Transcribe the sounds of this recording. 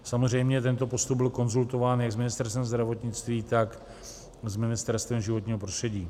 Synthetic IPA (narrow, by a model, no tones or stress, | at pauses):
samozr̝ɛjmɲɛt̪ɛnt̪o̞po̞st̪ub̚bɪlko̞nzult̪o̞vaːnjaɡzmɪnɪst̪ɛɾst̪vɛmzd̪ɾavo̞t̪ɲɪt͡st̪viːt̪ak | zmɪnɪst̪ɛɾst̪vɛmʒɪvo̞t̪ɲiːɦo̞pɾost̪r̥ɛɟiː